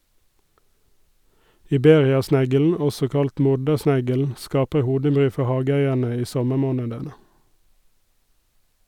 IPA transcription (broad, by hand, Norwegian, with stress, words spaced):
ɪˈbeːʁɪɑˌsnæɡəln̩ ˈɔsɔ ˈkɑlt ˈmʊɖəˌsnæɡəln̩ ˈskɑːpə ˈhuːdəˌbʁyː ˈfɔ ˈhɑːɡəˌæɪəɳə ˈiː ˈsɔməˌmoːnədənə